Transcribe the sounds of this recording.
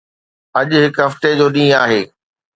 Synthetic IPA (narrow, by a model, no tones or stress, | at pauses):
ɐʄʊɦɪkɦɐft̪ed͡ʑoːɗĩːaːɦeː